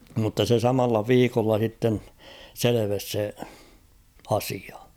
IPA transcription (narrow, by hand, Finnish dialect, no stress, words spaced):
mutːɑ se sɑmɑlːɑ ʋiːkolːɑ s̞itːen seleʋes se ɑsiɑ